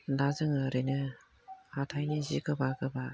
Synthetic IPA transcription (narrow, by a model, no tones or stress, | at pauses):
dazɯŋaɾɯnɯ | hatʰajnizḭkɯbakɯba